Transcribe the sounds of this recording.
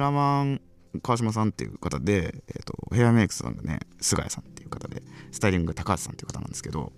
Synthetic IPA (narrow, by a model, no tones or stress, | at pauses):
ɾamãŋ | kaːɕ̬imas̬ãnt̪ːe̞̰jɯ̟kat̪ad̪e̞̰ːt̪o̞̰he̞jameːkɯ̥ssã̰ŋɡane̞̰sɨɡa̰jasãnt̪ːe̞jɯ̟̥kat̪ad̪e̞̰sɨ̥t̪aiɾʲĩŋɡɯt̪akaːsi̥sa̰nt̪ejɯ̟kat̪anãnd̪esɨ̥ke̞d̪o̞̰